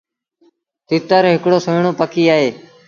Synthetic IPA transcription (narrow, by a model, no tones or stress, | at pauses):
t̪ɪt̪əɾɦɪkɽoːsəɳoːpəkʰiːaːɦeː